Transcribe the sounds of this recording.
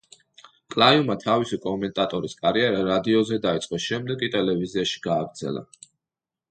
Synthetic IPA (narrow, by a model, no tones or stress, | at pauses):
kʼlˠajumat̪ʰavisikʼɔmɛnt̪ʼat̪ʼɔɾiskʼaɾiɛɾaɾad̪iɔzɛd̪ait̪sʼqʼɔʃɛmd̪ɛɡit̪ʼɛlɛviziaʃi̥ɡaːɡɾd̪zɛ̰lˠa̰